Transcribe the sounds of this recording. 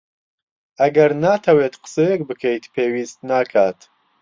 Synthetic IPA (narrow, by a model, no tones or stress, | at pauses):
ʔɐɡɐɾnaːt̪ʰɐweːt̪qə̥sɛjek̚bɨkʰɛjt̪pʰeːwiːst̪naːkʰaːt̪